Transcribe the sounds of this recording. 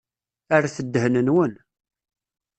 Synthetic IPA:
əɾæθəd̪ːhnənwən

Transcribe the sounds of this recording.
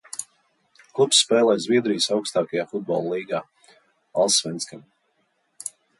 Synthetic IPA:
klˠupsːpɛːlˠɛjzʲvʲiɛd̪ɾijsawkst̪aːkajaːfud̪̚bɔ̰lˠlˠiːɡaː | alˠsːvɛnskam

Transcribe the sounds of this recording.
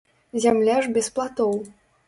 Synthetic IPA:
zʲamlʲaʐbʲɛsplˠat̪ɔw

